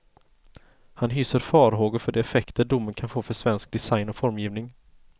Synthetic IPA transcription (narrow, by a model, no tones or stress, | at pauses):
hanɦyːsəɾfɑːɾɦoːɡʊɾfœɖɛɛfɛkt̪əɖʊmːənkʰanfoːfœʂvɛnsk̚d̪ɛsajnɔfɔɾmjiːvnɪŋ